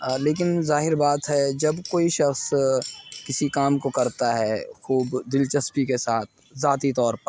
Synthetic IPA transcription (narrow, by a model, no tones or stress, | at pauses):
leːk̬ɪnzaːɦɪɾbaːt̪ɦɛd͡ʒɐbkoːiʃɐxs | kɪsikaːmkokɐɾt̪aɦɛxuːbd̪ɪlt͡ʃɐspikesaːt̪̚ʰ | zaːt̪it̪ɔːɾpɐɾ